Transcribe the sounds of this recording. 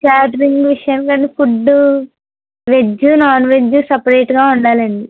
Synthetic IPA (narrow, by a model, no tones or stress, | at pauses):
kaːʈɾiŋɡʋiʂjɐnkɐnːifuɖːu | ʋed͡ʒːunaːnʋed͡ʒːusɐpɐɾeːʈɡaːuɳɖaːlɐɳɖi